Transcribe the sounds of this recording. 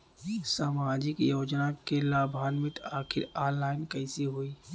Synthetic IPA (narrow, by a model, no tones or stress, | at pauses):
saːmaːd͡ʒɪkjoːd͡ʒnakelaːbʱaːnmɪʈ̪aːkʰɪɾaːnlaːɪnkɐɪsiɦoiː